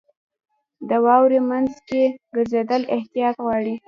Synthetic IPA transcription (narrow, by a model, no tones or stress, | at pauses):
d̪əwɑwɾemanzkeɡəɾzed̪əlɪht̪ijɑt̪ɣwɑɽi